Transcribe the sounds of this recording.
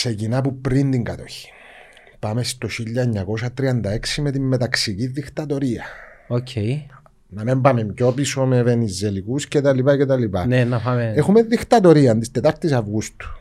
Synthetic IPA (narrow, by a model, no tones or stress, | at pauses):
se̞cinɐp̬upɾind̪iŋɡɐt̪o̞çi̥ | pɐme̞st̪o̞çiʎːɐeɲːɐko̞sɐt̪ɾiɐnd̪ɐeksimet̪imːet̪ɐksiciðːikt̪ɐt̪o̞ɾiɐ | ocʰej | nɐmembɐmemco̞piso̞meve̞nizːelikuscet̪ɐlipɐcet̪ɐlipɐnenɐpameexumeðixt̪ɐt̪o̞ɾiɐnd̪ist̪et̪ɐɾt̪isɐvɣust̪u̥